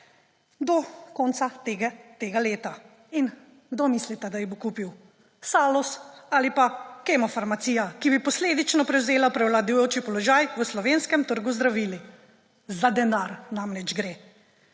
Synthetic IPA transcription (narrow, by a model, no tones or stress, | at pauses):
d̪ɔkɔnt̪sat̪eɡt̪eːɡaleːt̪a | in | ɡd̪omislit̪ɛd̪ajɛbokuːpiw | saːlɔsaːlipakɛmɔfaɾmat̪siːjakibipɔsleːd̪it͡ʃnɔpɾɛwzeːlapɾɛwlad̪ujoːt͡ʃipɔlɔʒaːjʋəslɔʋeːnskɛmt̪əɾɡuzd̪ɾaʋiːli | zad̪ɛnaɾnamlɛd͡ʒɡɾeː